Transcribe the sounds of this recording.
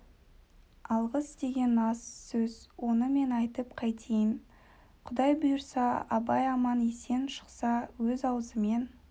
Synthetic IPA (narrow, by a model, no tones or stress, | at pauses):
ɑlˠʁəsd̪e̞ɡʲe̞nɑsːɵzwo̞nəme̞nɑjt̪əpqʰɑjt̪ʰejən | qʰʊd̪ɑjbʊjəɾsɑɑbɑjɑmɑnese̞nʃə̥qsɑwɵzɑwəzəme̞n